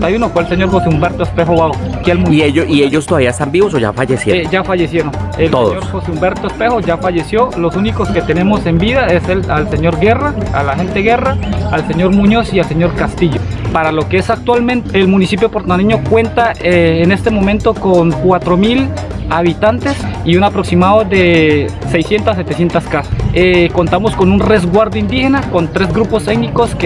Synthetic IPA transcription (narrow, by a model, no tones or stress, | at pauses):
t̪ajunofwelse̞ɲo̞ɾxo̞seumbe̞ɾt̪oespexo̞βaoakialmunieoieʝost̪oðaβiaest̪ambiβosoʝa̰fajesjed͡ʒafaʝe̞sjeɾonelt̪oð̰ɲo̞ɾxo̞seumbe̞ɾt̪oespe̞xo̞ʝafaʝe̞sjo̞lo̞sunikoske̞t̪e̞ne̞mo̞se̞mbiðae̞sealse̞ɲo̞ɾɡe̞raa̰laxe̞nt̪eɣe̞raalse̞ɲo̞ɾmuɲo̞sialse̞ɲo̞ɾkast̪iʝo̞paɾalo̞keesak̚t̪walment̪elmunisipjopoɾt̪oaniɲo̞kwe̞nt̪aeːne̞st̪e̞mo̞mẽnt̪o̞koŋkwat̪ɾomil | aβit̪ant̪esiunapɾo̞ksimaðoðesejsje̞nt̪asːe̞t̪e̞sje̞nt̪askasaeko̞nt̪amo̞sko̞nunre̞zɡwaɾd̪oind̪ihe̞nako̞nt̪ɾezɡɾupost̪eɡniko̞sk